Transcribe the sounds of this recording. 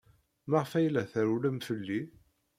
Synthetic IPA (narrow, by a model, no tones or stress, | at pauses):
məʁfæjlæθæɾuləmfəlːi